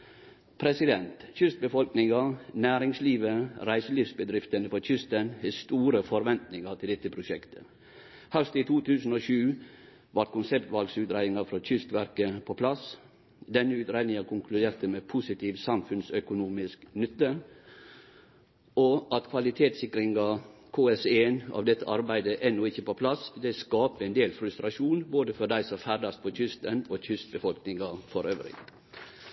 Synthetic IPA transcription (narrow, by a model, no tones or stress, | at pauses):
pʰɾɛsɪd̪ɛnt̪çʏst̪̚bəfɔlknɪŋɑnæːɾɪŋsliːʋəɾæɪsəlifsbəd̪ɾɪft̪ənəfɔc͡çʏst̪ənhest̪uːɾəfɔɾʋɛnt̪nɪŋət̪ʰɪld̪ɛt̪ːəpʰɾʊʃɛkt̪ʰə̥ | hœst̪iːt̪ʰuːt̪ʰʉːsn̩oːʃʉː | ʋɑʈ̪̚kʊnsɛpt̪ʋɑlɡsʉːt̪ɾæɪd̪ɪŋɑfɾɔc͡çʏst̪ʋæɾkəpʰopʰlɑs | d̪ɛnːəʉːt̪ɾæɪnɪŋɑkʰʊŋkʰlʉd̪eːɾt̪əmɛpʰʊsɪt̪ʰiːʋsɑmfʉnsœkʊnuːmɪsknʏt̪ːə | ɔʔɑt̪kʰʋɑlɪt̪ʰeːt̪sɪkɾɪŋɡɑkʰoːɛseːnɑ̰ːʋd̪ɛt̪ːəʔɑɾbæɪd̪əʔɛnːʊɪçːəpɔpʰlɑsd̪ɛskɑːpəɛnd̪eːlfɾʉst̪ɾɑʃuːnboːd̪əfɔd̪æɪsɔmfæɖɑst̪̚pʰɔc͡çʰʏst̪ənoc͡çʰʏst̪̚bəfɔlknɪŋɑfɔɾøːʋɾɪ̰